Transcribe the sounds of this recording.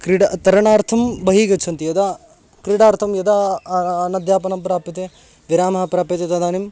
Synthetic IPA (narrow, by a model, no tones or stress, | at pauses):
kɾiɖɐt̪ɐɾɐɳaːɾt̪ʰɐmbɐɦiːɡɐt͡ʃʰɐnt̪ijɐd̪ɐ | kɾiɽaːɾt̪ʰɐmjɐd̪ɐ | nɐd̪jaːpɐnɐmpɾaːpit̪e | ʋiɾaːmɐɦɐpɾaːpit̪et̪ɐd̪aːnim